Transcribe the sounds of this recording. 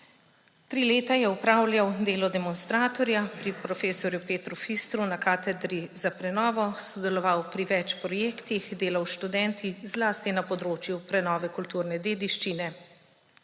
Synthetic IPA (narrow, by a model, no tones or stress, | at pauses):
t̪ɾiːleːt̪ajɛupɾaːwlʲjawd̪eːlɔd̪ɛmɔnst̪ɾaːt̪ɔɾjapɾipɾɔfeːsɔɾjupeːt̪ɾufist̪ɾunakaːt̪ɛd̪ɾizapɾɛnɔːʋɔsɔd̪ɛlɔʋawpɾiʋɛt͡ʃpɾɔjeːkt̪ixd̪eːlawʃt̪ud̪ɛnt̪ʰizlaːst̪inapɔd̪ɾoːt͡ʃjupɾɛnɔːʋɛkult̪uːɾnɛd̪eːd̪iʃt͡ʃinɛ